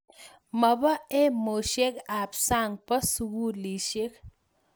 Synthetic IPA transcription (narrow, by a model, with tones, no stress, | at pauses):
ma˨ba˦e˦mo˨ʃe˦ka˨psa˦˨ŋpa˦su˨ɡu˦li˨ʃe˦k